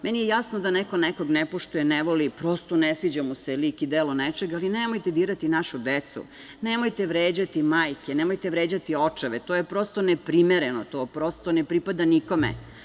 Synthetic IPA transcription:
menijejasnod̪aneko̞neko̞ɡnepo̞ʃt̪ujeneʋo̞lipɾo̞st̪onesʋid͡ʑamuselikid̪eːlonet͡ʃe̞ɡalinemojt̪ed̪iːɾat̪inaʃud̪et̪sṵ | nemo̞jt̪eʋɾeːd͡ʑat̪imaːjkenemojt̪eʋɾeːd͡ʑat̪io̞t͡ʃaʋet̪o̞ːjepɾo̞st̪o̞nepɾimeɾenot̪o̞ːpɾo̞st̪o̞nepɾipad̪aniko̞mḛ

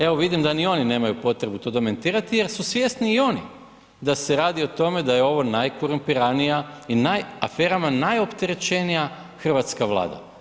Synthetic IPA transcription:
eʋo̞ʋid̪imd̪anio̞nine̞ːmajupo̞t̪ɾe̞but̪o̞ːd̪ome̞nt̪iːɾat̪ije̞ɾsusʋʲje̞sniːo̞ni | d̪ase̞ɾaːd̪io̞t̪o̞me̞d̪ajeo̞ʋo̞najkoɾumpiɾanijainajafe̞ːɾamanajo̞pt̪e̞ɾe̞t͡ʃenija | xr̩ʋat̪skaʋlˠa̰ːd̪a̰

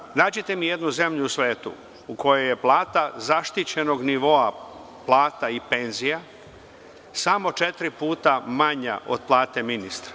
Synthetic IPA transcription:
naːd͡ʑet̪e̞mije̞d̪nuze̞mʎuːsʋeːt̪ṵ | uko̞jeje̞plˠaːt̪azaʃt̪it͡ɕe̞no̞ɡniʋo̞a | plˠaːt̪aipe̞nzija | samo̞t͡ʃe̞t̪ɾipuːt̪amaɲa̰ʔo̞̰d̪̥̚plˠaːt̪e̞minist̪ɾḁ

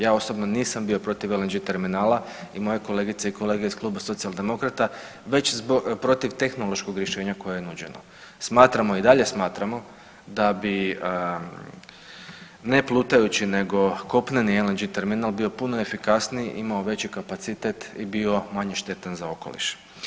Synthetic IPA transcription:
jaːo̞so̞bno̞niːsambio̞pɾo̞t̪iʋelend͡ʒit̪e̞ɾminaːlaimojeko̞leːɡit̪seiko̞leːɡe̞isklˠuːbaso̞t̪sijalˠd̪e̞mo̞kɾat̪a | ʋe̞t͡ɕzopɾo̞t̪iʋt̪e̞xno̞lo̞ʃko̞ɡɾjeʃeːɲako̞jejenud͡ʑe̞̰no̰ | smaːt̪ɾamo̞id̪aʎe̞smaːt̪ɾamo̞ | d̪abi | ne̞plˠuːt̪ajut͡ɕine̞ɡo̞ko̞pnenielend͡ʒit̪e̞ɾminaːlˠbio̞puno̞efikasniʔimao̞ʋe̞t͡ɕikapat̪sit̪et̪ibio̞maɲeʃt̪e̞t̪anzao̞ko̞̰lḭʃ

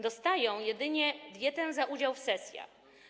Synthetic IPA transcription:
d̪ɔst̪ajɔ̃w̃jɛd̪ɘɲɛd̪jɛt̪ɛ̃zaʔud͡ʑawfsɛsʲja̰

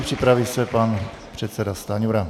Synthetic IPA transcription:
pr̥ipɾavisɛpan | pr̥ɛt̪sɛdast̪aɲuɾa

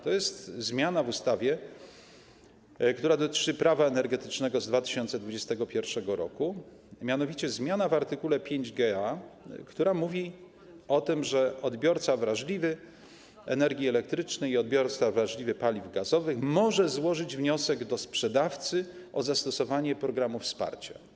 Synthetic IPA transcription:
t̪ɔjɛst̪zmʲjanavust̪avʲjɛ | kt̪uɾad̪ɔt̪ɘ̥t͡ʂɘpɾavaɛnɛɾɡɛt̪ɘ̥t͡ʂnɛɡɔzd̪vat̪ɘɕɔnt̪sɛd̪vud͡ʑɛst̪ɛɡɔpʲjɛɾfʂɛɡɔɾɔ̰ku | mʲjanɔvʲit͡ɕɛzmʲjanavaɾt̪ɘkulɛpʲjeɲd͡ʑɡɛakt̪uɾamuvʲi | ɔt̪ɘmʐɛɔd̪bʲjɔɾt̪savɾaʐlʲivɘ | ɛ̰nɛɾɡʲiɛlɛk̚t̪ɾɘt͡ʂnɛjiɔd̪̚bʲjɔɾt̪savɾaʐlʲivɘpalʲivɡazɔvɘxmɔʐɛzwɔʐɘd͡ʑvɲɔsɛɡd̪ɔspʂɛd̪aft̪sɘ | ʔɔzast̪ɔsɔvaɲɛpɾɔɡɾamufspa̰ɾt͡ɕa̰

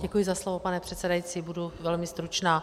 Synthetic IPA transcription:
ɟɛkujɪzaslovopanɛpr̥ɛt̪sɛdajit͡siːbuduvɛlmɪst̪ɾut͡ʃnaː

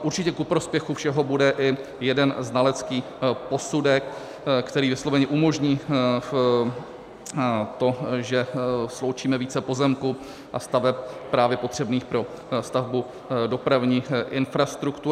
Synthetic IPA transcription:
ʔuɾt͡ʃɪcɛkupɾo̞spjɛxufʃɛɦo̞budɛʔɪ | jɛdɛnznalɛt͡skiː | po̞sudɛk | kːt̪ɛɾiːvɪslo̞vɛɲɛʔumo̞ʒɲiː | t̪o̞ʒɛslo̞wt͡ʃiːmɛviːt͡sɛpo̞zɛmku | ʔast̪avɛp̚pɾaːvjɛpo̞t̪r̝̥ɛbniːxpɾo̞ | st̪avbu | do̞pɾavɲiːʔɪnfɾast̪ɾukt̪u

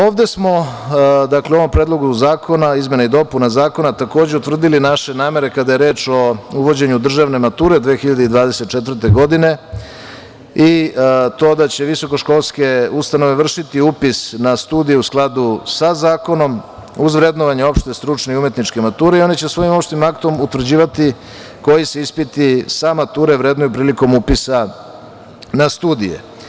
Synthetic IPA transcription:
o̞ːʋd̪e̞smo̞d̪akleo̞ʋompɾeːd̪lˠo̞ɡuzaːko̞naizme̞naid̪o̞punazaːko̞nat̪ako̞ːd͡ʑeut̪vr̩d̪ilinaʃe̞naːme̞ɾe̞kad̪aje̞ɾe̞ːt͡ʃo̞uʋo̞d͡ʑe̞ɲud̪r̩ʒaʋne̞mat̪uːɾed̪ʋeːxiʎad̪eid̪ʋaːd̪eset̪̚t͡ʃet̪vɾr̩t̪e̞ɡo̞d̪ine̞ | it̪o̞ːd̪at͡ɕe̞ʋiso̞ko̞ʃko̞lˠske̞ust̪ano̞ʋeʋr̩ʃit̪iupisnast̪uːd̪ijeusklˠad̪usazaːko̞no̞m | uzʋɾe̞d̪noʋaɲeo̞pʃt̪est̪ɾut͡ʂneiumje̞t̪nit͡ʃke̞mat̪uːɾe̞io̞nit͡ɕesʋo̞jimo̞pʃt̪nimakt̪o̞mut̪ʋr̩d͡ʑiːʋat̪i | ko̞jise̞ispit̪isamat̪uːɾeʋɾe̞d̪nojupɾiːliko̞mupisa | nast̪uːd̪ijḛ

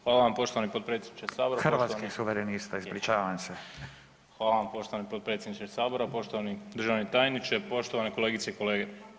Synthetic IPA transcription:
xʋaːlaʋampo̞ʃt̪oanipot̪̚pɾe̞t̪sʲjed̪nit͡ʃesaːboɾaxɾʋaat̪osakisuʋeɾenist̪aizblit͡ʃaːʋaamse | xʋaːlaʋampo̞ʃt̪oʋanipot̪pɾe̞t̪sjed̪nit͡ʃesaːbo̞ɾapo̞ʃt̪o̞ʋanid̪r̩ʒaʋnit̪ajnit͡ʃepo̞ʃt̪o̞ʋaneko̞leɡitseiko̞le̞ːɡe

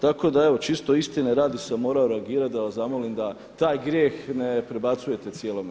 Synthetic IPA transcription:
t̪ako̞d̪ae̞ʋo̞t͡ʃist̪o̞ist̪ineɾaːd̪isamo̞ːɾaoɾeaɡiːɾat̪̚d̪aʋasamolimd̪a | t̪aːjɡɾjeːxnepɾe̞bat̪suje̞t̪e̞t̪sjeːlˠo̞m

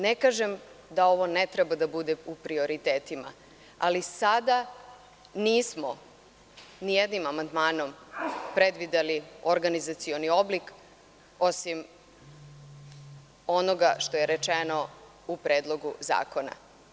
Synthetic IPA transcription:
nekaːʒemd̪ao̞ʋo̞net̪ɾebad̪abud̪eupɾio̞ɾit̪eːt̪ima̰ | alisad̪a | niːsmo̞ | nijed̪nimamand̪maːno̞mpɾe̞d̪ʋid̪elioɾɡanizat̪sio̞nio̞blik | o̞sim | o̞no̞ɡaʃt̪o̞je̞ɾet͡ʃeno̞ | upɾeːd̪lˠo̞ɡuza̰ːko̞na̰

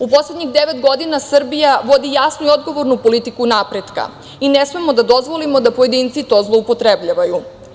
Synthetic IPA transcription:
upo̞sle̞d̪ɲixd̪eʋet̪ɡo̞d̪inasr̩bijaʋo̞d̪ijasnuio̞d̪ɡo̞ʋo̞ɾnupo̞lit̪ikunapɾet̪ka̰ | inesmemo̞d̪ad̪o̞zʋo̞limo̞d̪apoje̞d̪int̪sit̪o̞ːzlˠo̞upo̞t̪ɾebʎaʋaju

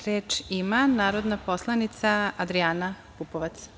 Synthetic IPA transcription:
ɾeːt͡ʃimanaːɾo̞d̪naposlˠanit̪saad̪ɾiaːna | pupoʋat̪s

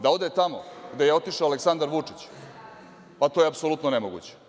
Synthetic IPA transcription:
d̪ao̞d̪et̪amo̰ɡd̪ejeo̞t̪iʃaoaleksand̪aɾʋut͡ʂi̥t͡ɕ | pat̪ojeapso̞lut̪nonemoɡṵːt͡ɕe̥

